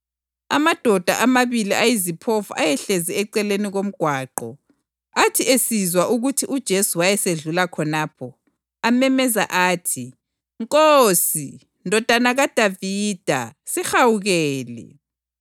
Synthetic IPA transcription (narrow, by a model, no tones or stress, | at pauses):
a̰mad̥ʱɔd̥ʱaʔamaβiliʔajizipʰofuʔajɛɬeziɛǀɛleniɣom̩ɡ̥ʱwaːǃɔ | atʰiesizwaʔuɣutʰiʔud̥ʒ̥ʱesuwajɛseɮulakʰɔnaːpʰɔ | amɛmɛza̰ʔaːtʰi | ŋkʼosi | ndʱɔd̥ʱanaɣad̥ʱaviːd̥ʱasixawuɣɛːlɛ̰